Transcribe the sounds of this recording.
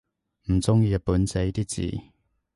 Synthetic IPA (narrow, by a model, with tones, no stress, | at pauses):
m̩˨˩t͡sʊ˥ŋjiː˧jɐ˧puː˨˥nt͡se˨˥jt̪iː˥t͡sḭː˨˩